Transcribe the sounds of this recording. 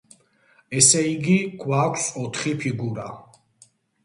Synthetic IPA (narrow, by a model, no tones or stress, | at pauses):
ɛsɛiɡiɡʰwakʷʰsɔt̪ʰχipʰiɡuɾa̰